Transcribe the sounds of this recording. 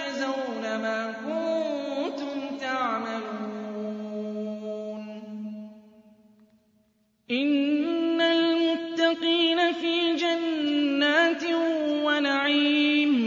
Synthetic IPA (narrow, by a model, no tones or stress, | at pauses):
azawnamaːkʊnt̪ʊmt̪aʕmaluuː | n | ʔɪnːalmʊt̪ːɑqiːnafiːd͡ʒanːaːt̪wanaʕiːm